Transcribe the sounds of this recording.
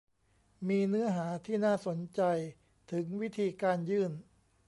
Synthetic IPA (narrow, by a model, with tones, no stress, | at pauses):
miː˧nɯ˦˥ɐɦaː˩˦t̪ʰiː˥˩naː˥˩so˩˦nt͡ɕa˧j | t̪ʰɯ˩˦ŋwi˦˥t̪ʰiː˧kaː˧njɯː˥˩n